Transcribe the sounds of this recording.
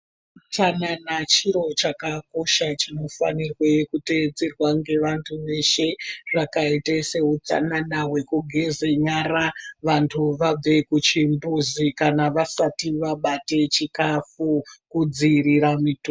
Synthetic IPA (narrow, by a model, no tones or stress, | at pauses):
t͡sananat͡ʃiɾo̞t͡ʃakako̞ʃat͡ʃino̞fa̰nirwekuted͡zerwaŋɡe̞ʋantʰuʋe̞ʃe̞ʐakaitese̞ut͡sa̰nanaɦwe̞kuɡʱe̞ze̞ɲaɾaʋantʰuʋab͡ve̞kut͡ʃimbuzikanaʋasatiʋaɓate̞t͡ʃikafukud͡ziɾiɾamito